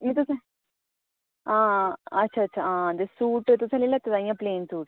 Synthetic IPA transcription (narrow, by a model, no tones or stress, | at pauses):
nĩt̪̬usã | ãːɐtːʃʰaːɐtːɕʰaãːd̪esuːʈet̪usãlilat̪ed̪ãːjãːpleːnsuːʈ